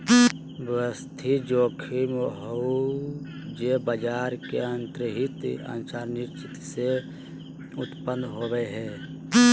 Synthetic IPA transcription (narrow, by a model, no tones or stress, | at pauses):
bəst̪ʰid͡ʒoːkʰimɦou | d͡ʒebəd͡ʒaːɾkeənt̪ɾəɦɪt̪a̰nsaːɾnɪʃt͡ʃɪt̪se | ʊt̪pənd̪ɦoːbɛɦɛː